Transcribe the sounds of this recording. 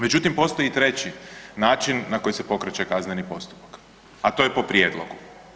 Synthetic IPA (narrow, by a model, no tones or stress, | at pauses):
me̞d͡ʒut̪impo̞st̪o̞jit̪ɾe̞t͡ɕinaːt͡ʃinːako̞jise̞po̞kɾat͡ɕekaznenipo̞st̪u̥pḁk | at̪o̞jepo̞pɾʲjed̪lˠo̰ɡu